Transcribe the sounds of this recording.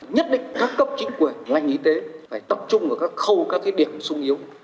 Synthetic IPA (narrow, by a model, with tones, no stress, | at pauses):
ɲə˦˥t̚ɗ̰ŋ̟kaː˦˥kːə˦˥p̚t͡ɕï˨˦ŋ̟kwi˧˩ənla˧jŋ̟ʔi˨˧˦t̪e˨˦faː˧˩jt̪ə˨˩p̚t͡ɕʊ˧ŋ͡mʔəː˧˩kaː˦˥k̚xə˧wkaː˦˥k̚t̪ʰi˨˦ɗi˧˩əmsʊ˧ŋ͡mʔi˨˦əw